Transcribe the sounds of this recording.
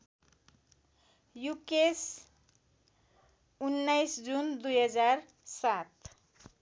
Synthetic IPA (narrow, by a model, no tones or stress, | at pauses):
jukes | unːajsd͡zund̪ujɦʌd͡zar | sat̪